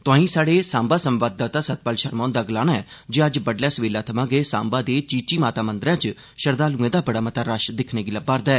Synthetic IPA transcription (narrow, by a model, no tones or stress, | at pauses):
t̪ʊãːĩːsaːɽeːsãːmbaːsəmʋaːd̪aːt̪ãːsət̪̚pəlʃəɾmãːnd̪aːɡlaːnaɛːd͡ʒeːəd͡ʒbəɖlɛːsʋeːlaːt̪ʰəmãːɡeːsã̰ːmbaːd̪eːt͡ʃiːt͡ʃiːmaːt̪aːmənd̪ɾãːt͡ʃ | ʃəɾd̪aːlũːẽːd̪aːbəɽaːmət̪aːɾaʃd̪ɪkʰneːɡɪləbaːɾd̪aːɛː